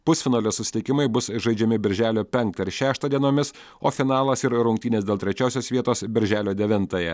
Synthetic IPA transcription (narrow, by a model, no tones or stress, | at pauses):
pʊsʲfʲɪnɑːlʲɛsʊsʲɪ̥t̪ʲɪkʲɪmɐɪbʊsʒɐɪd͡ʒʲɛmʲɪbʲɪɾʲʒʲæːlʲoːpʲɛŋkt̪ɐɾʃʲæːʃt̪ɑːd̪ʲiɛnoːmʲɪs | oːfʲɪnɑːlˠɐsɪɾɾʊŋʲkt̪ʲiːnʲeːsd̪ʲeːlˠt̪ʲɾʲɛt͡ʃʲoːsʲoːsʋʲiɛt̪oːsbʲɪɾʲʒʲæːlʲoːd̪ʲɛʋʲɪnt̪ɑjɛ